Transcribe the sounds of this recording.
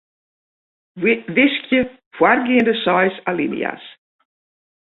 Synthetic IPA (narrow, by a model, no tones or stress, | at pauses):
vɪskjə | fwarɡiəndəsɔjsalḭnj̰a̰s